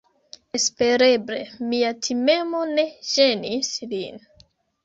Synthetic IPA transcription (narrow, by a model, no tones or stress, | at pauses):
espeɾeble̞miatʰime̞mo̞ne̞ʒe̞nislin